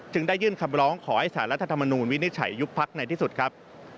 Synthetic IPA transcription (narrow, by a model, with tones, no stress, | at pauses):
t͡ɕɯ˧ŋdaː˥˩jːɯː˥˩nkʰa˧mɾɔː˦˥ŋkʰɔː˩˦ha˥˩jsaː˩˦nɾa˦˥t̪ʰːa˧t̪ʰa˧mːa˧nuː˧nwi˦˥ni˦˥t̪̚t͡ɕʰa̰˩˦jːu˦˥k̚pʰːa˦˥k̚na˧jt̪ʰiː˥˩su˨˩t̪̚kʰɾa˦˥p̚